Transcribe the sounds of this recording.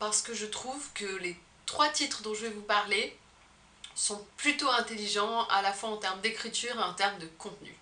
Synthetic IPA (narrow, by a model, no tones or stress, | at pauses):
paʁsə̥kəʒət̪χuvkəle | t̪χwat̪it̪χəd̪ɔ̃ʒəvɛvupaʁle | sɔ̃plyt̪oɛ̃t̪eliʒɑ̃alafwaɑ̃t̪ɛʁmd̪ekχit̪yːʁeɑ̃t̪ɛʁmd̪əkɔ̃t̪ny̰